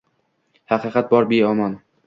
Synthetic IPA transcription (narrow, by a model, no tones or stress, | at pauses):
hɑqɨːqʰɑt̪̚bɒɾbeɒmɒn